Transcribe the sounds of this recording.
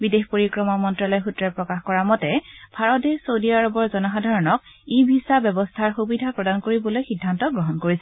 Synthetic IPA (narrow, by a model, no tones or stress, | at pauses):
bidexpoɹikɹɔmɔmɔntɹalɔjxutɹɛpɹɔkaxkɔɹamɔtɛbʱaɹɔtdesodiaɹɔbɔɹzɔnɔxadʱaɹɔnɔk̚ibʱisabɛbɔstʰaɹxubidʱapɹɔdankoɹibɔlojxidʱːantɔɡɹɔɦɔnkoɹisɛ